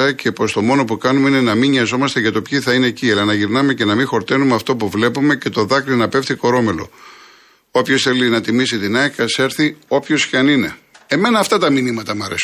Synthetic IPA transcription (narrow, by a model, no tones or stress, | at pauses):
ɐcepo̞st̪o̞mo̞no̞pukɐnumeine̞nɐmiɲɐzo̞mɐst̪eʝɐt̪o̞pçiθɐine̞ːciɐlɐnɐʝiɾnɐme̞ce̞nɐmixo̞ɾt̪e̞numeɐft̪o̞puvle̞pume̞ce̞t̪o̞ðɐkɾinɐpe̞ft̪iko̞ɾo̞me̞lo̞̰ | o̞pço̞sθe̞linɐt̪imisit̪inɐkɐse̞ɾθio̞pço̞sçɐnine̞e̞me̞nɐːft̪ɐt̪ɐminimɐt̪ɐmɐɾes